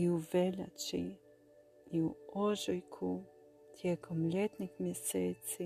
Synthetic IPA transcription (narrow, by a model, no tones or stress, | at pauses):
iuvɛʎa̰t͡ʃḭ | iuoʒɔjkʰu | t̪ʰjɛkʰomlɛt̪nixmjɛseːt̪si